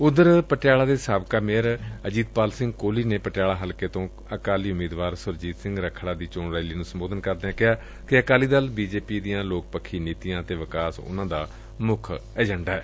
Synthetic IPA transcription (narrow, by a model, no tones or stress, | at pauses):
ʊd̪əɾpəʈɪjaːlaːd̪eːsaːbkaːmeːəɾəd͡ʒiːd̪̚paːlsɪ̃ŋɡkoːliːneːpəʈɪjaːlaːɦəlkeːt̪õː | əkaːliːʊmiːd̪ʋaːɾsʊɾd͡ʒiːt̪sɪ̃ŋɡɾəkʰːɽaːd̪iːt͡ʃoːnɾaːiliːnũːsəmboːd̪ənkəɾd̪eːãːkɪɦaː | kɪəkaːliːd̪əlbiːd͡ʒeːpiːd̪ijãːloːk̚pəkʰːiːniːt̪ijãːət̪eːʋəkaːsʊ̰nãːd̪aː | mʊkʰ | ɛːd͡ʒəɳɖaːɛː